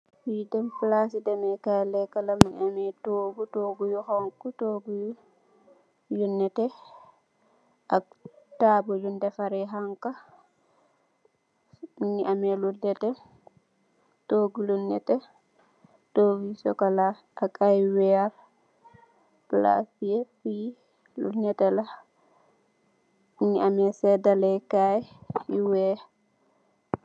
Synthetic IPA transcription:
widɛmplasidɛmɛkalɛkalamiɲamɛtoːɡutoːɡujuxaŋkutoːɡuju | junːɛtɛ | ʔak̚taːbɔjundɛfaɾɛɦaŋka | miɲiamɛludɛtɛ | toɡulunɛtɛ | towisɔ̰kalaː | kajwɛaɾ | pla̰fiefi | lṵnɛtɛla | miɲːiʔamɛsɛdalɛkajjiwɛ

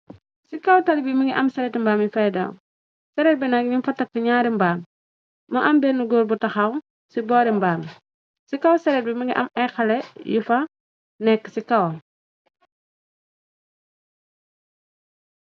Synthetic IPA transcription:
sikɐwtɐlibimiŋɡiʔɐmsɛɾɛtmbaːmjifɐjda̰ːw | sɛɾɛt̚bɛnaɡiminfɐtːɐkːəɲaːɾimbaːmː | ɐʔɐmbɛnuɡoːlbutɐxaw | sibɔːɾimbaːm | sikɐwsɛɾɛt̚bimiŋɡiʔɐ̰mɛxɐlɛjifɐ | nɛkːsikɐw

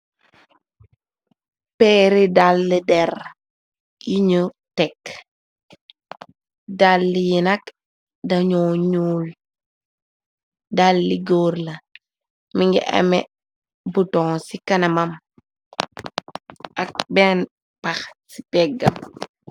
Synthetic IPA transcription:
pɛːɾidalːidɛr | jiɲə | tɛk | dalːijinɐk | dɐɲɔːɲuːl | dalːiɡoːrlɐ | miŋɡḭʔɐ̰mɛ | butɔŋsikɐnɐmɐm | ʔɐk̚bɛn | paxsi̥pɛɡɐ̰m

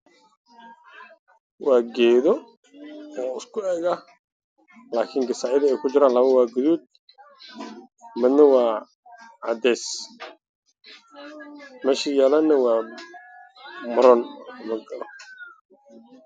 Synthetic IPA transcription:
waːɡɛːðɔ | ɔːɪskʰʊɛːɡɐh | laːkʰɪŋɡɪsaːʔɪðɐɛjkʰʊd͡ʒɪɾaːnlɐβɐwaːɡʊðuːd̪̚ | mɪd̪nɐwaː | ʕɑd̪ɛːs | mɛːʃiːjaːlanːɐwɑː | mʊɾɔnmɐɡɐlɔ

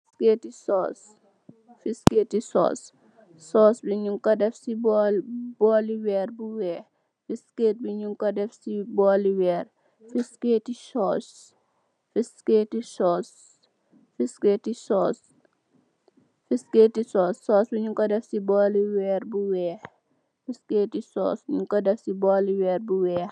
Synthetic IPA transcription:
skeːtisɔːs | fisketisɔ̰ːsː | ɔːsbiɲuŋkɔdɛfsibɔbɔːliwɛːrbuwɛː | fiskeːt̚biɲuŋkɔdɛfsibɔːliwɛːr | fisketisɔːs | fiskeːtisɔːs | fiskeːtisɔːs | fiskeːtisɔːsːɔːsbiɲuŋkɔdɛfsibɔːliwɛːrbuwɛːh | fiskeːtisɔ̰ːsɲuŋkɔdɛfsibɔːliwɛːrbuwɛːx

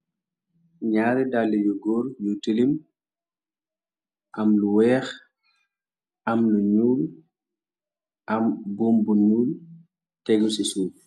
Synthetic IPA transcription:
ɲaːɾidalːijuɡɔːɾjutəlim | ʔɐmluwɛːx | ɐmnuɲuːl | ʔɐmbɔmbuɲuːl | tɛɡusisuː

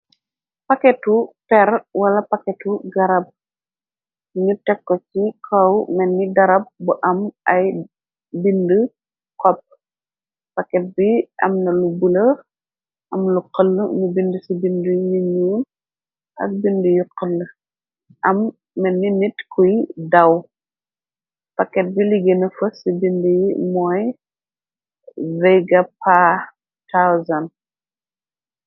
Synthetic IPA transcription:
pɐkɛtupɛrwɐlɐpɐkɛtuɡɐɾɐb̚ | ɲutɛkːɔt͡ʃikʰɔwmɛnːidɐɾɐb̚buʔɐmʔɐj | bində | kɔp̚ | pɐkɛt̚biʔɐ̰mnɐlubulɐ | ʔɐmluqəlːmubindusibindujuɲuːl | ʔɐ̰k̚bindujuqəlː | ʔɐmː | ɛnːinitkʰujdɐw | pɐkːɛt̚biliɡenɐfəsibindujimɔːj | vɛɡɐpa | tawzɐn

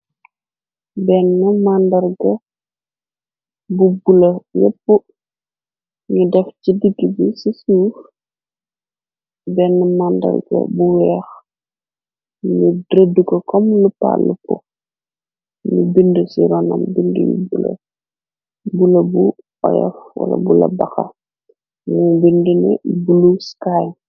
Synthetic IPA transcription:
bɛnːəmandɐrɡɐ | bubulɐjɛpːu | ɲudɛfcidiɡibisisuːf | bɛnːəmandɐ̰rɡɐ̰buwɛːx | ɲudɾədukɔkɔmlupa̰lːukɔ | nubindəsiɾɔnɐmbindṵjṵbulɐ̰ | bulɐbu | ɔ̰jɐ̰fwɐ̰lɐ̰bulɐ̰bɐxɐ | mubindunɛ̰buluskaj

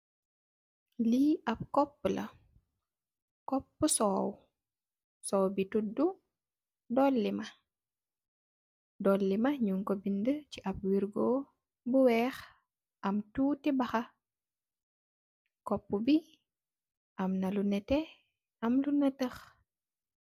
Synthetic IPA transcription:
liɐp̚kɔpːlɐ̰ | kɔpːusɔːw | sɔːwbitudu | dɔlːimɐ | dɔlːimɐɲuŋkɔbindəciʔɐp̚wiɾɡɔː | buwɛːx | ʔɐmtuːtɛbɐxɐ | kɔpːubi | ʔɐmnɐlunɛtɛ | ɐmlunətəx

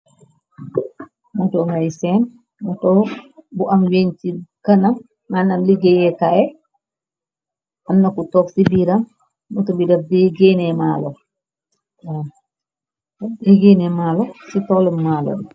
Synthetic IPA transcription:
matɔŋɡajsɛn | matɔbuʔamweɲtikanamː | anamliɡɛjɛkajɛ | ʔamnakutɔksibiɾam | mɔtɔbidafbɛɡenɛmaːlɔ | bɛɡenɛmaːlɔsitɔləmːalɔ̰bi

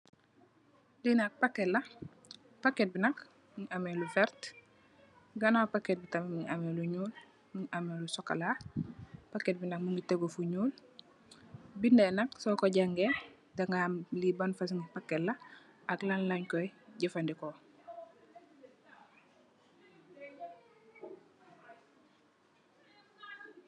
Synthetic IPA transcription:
dinak̚pakːelːa | pakːet̚binak | ŋamelufɛɾt | ɡanapakːet̚bitamemiŋameluɲuːl | miŋʔamelusoka̰la | paket̚binak̚muŋɡiteɡofuɲuːl | bindɛnaksɔkoɟaŋɡe | daŋamlibanfasŋipakːetla | aklanlaɲkojɟafandiko

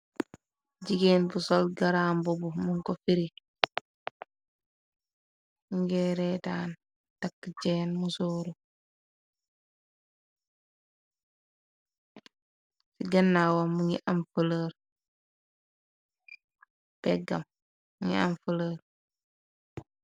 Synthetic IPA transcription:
ɟiɡeːnbusolɡaɾaːmbubumuŋkofiɾi | ŋɡɛɾɛtaːn | takːt͡ʃeːnmusoːɾu | siɡɐnːawamuŋiʔamfələɾ | pɛɡɐ̰mː | uŋia̰mfələːɾ

